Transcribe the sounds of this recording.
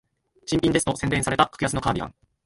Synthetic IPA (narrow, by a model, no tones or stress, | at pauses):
t͡ɕĩmpʲĩnd̪e̞sɨ̥t̪o̞sẽnd̪ẽ̞ɰ̃saɾe̞t̪akʰḁkɯ̟jasɨno̞kaːbʲiɡã̰ŋ